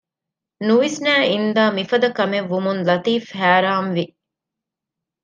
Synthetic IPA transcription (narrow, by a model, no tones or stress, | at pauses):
nuʋesnæːind̪aːmifɐd̪ɐkɐmeʋːumunlɐt̪iːfhæːɾaːmʋi